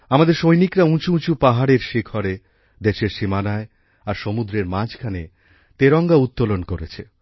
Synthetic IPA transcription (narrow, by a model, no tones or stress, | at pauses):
amad̪eɾʃojnikɾaũt͡ɕuũt͡ɕupaɦaɽeɾʃikʰɔɾe | d̪eʃeɾʃimanae | aɾʃomud̪ɾeɾmãd͡ʑkʰane | t̪eɾɔŋɡaut̪ːolonkoɾet͡ɕʰe